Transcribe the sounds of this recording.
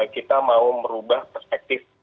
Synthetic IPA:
kit̪amauməɾubahpərspɛk̚t̪ɪf

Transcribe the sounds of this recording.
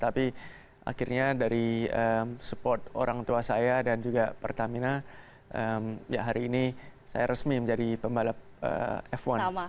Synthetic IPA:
t̪api | ʔa̰kirɲadaɾiəmsəpɔrt̪o̰ɾaŋt̪uasajadand͡ʒuɡapərt̪amina | ʔəmja̰ɦaɾiːnisa̰jaɾəsmiməɲd͡ʒadipəmbalap̚ə̰ɛfwan

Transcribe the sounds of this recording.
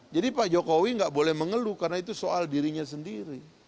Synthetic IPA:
d͡ʒadipad͡ʒokowiŋɡaʔbolɛhməŋəlukarnait̪usoaldiɾiɲas̬əndiɾi

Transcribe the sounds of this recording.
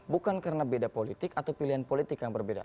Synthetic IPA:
bukankaɾənabedapolit̪ɪkat̪awpiliɦanpolit̪ɪkjaŋbərbeda̰

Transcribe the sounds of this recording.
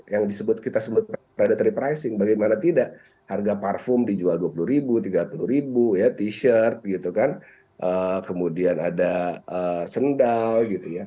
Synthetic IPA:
jaŋdisəbʊt̪̚kit̪asəbʊt̪̚bəɾadat̪ɾipɾajsɪŋbaɡajmanat̪idaʔ | harɡaparfʊmdid͡ʒualduapuluhɾibut̪iɡapuluɾibujat̪iʃərt̪̚ɡit̪ukan | ʔəkəmudianadaəsəndalwɡit̪uja

